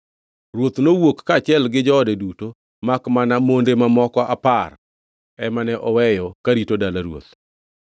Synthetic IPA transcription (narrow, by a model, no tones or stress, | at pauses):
ɾwot̪nowokːat͡ʃɪɛlɡɪd͡ʒɔːdɛduto | makmanamondemamɔkɔʔapar | ɛmanɛʔɔwɛjɔkaɾitodalaɾwo̰t̪